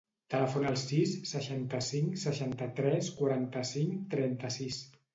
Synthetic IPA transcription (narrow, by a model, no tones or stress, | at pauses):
t̪ələfonəlˠsisːəʃant̪əsiŋsəʃant̪ət̪ɾɛskwaɾant̪əsiŋt̪ɾɛnt̪əsis